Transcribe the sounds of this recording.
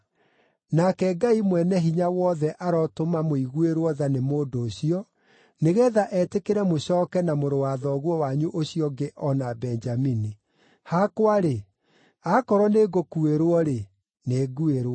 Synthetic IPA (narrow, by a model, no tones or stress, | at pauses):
nakɛɡaimwɛnɛɦiɲawɔðɛʔaɾɔtomamoiɣueɾwɔðanemoːdoːɕiɔ | neɣɛːðaʔɛtekeɾɛmoɕɔːkɛnamoɾowaðɔɣwɔwaɲuʔoɕiɔɡeʔɔnabɛnd͡ʒamini | hakwaɾe | akɔɾɔneɡokueɾwɔɾe | neːɡueɾwɔ